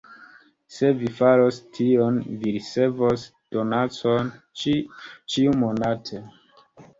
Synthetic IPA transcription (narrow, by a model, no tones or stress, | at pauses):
se̞vifaɾostʰionviɾise̞vos | d̥onat͡son | t͡ʃiumonatʰe